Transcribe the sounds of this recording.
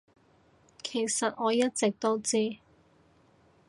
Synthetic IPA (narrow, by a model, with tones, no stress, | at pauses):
kʰe˨˩jsɐ˨t̚ŋɔː˨˧jɐ˥t̚t͡sɪ˨k̚t̪o˥wt͡siː˥